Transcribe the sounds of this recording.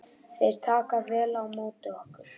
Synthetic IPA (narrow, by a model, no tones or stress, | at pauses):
θejɾ̥t̪ʰaːkaɾvɛːlawmoːt̪ʏɔhkʏɾ̥